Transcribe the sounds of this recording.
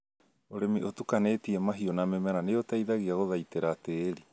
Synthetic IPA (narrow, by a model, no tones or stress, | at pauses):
oɾemiʔotukanetiemaɦionamemaɾaneotaiðaɣiaɣoðajteɾateːɾi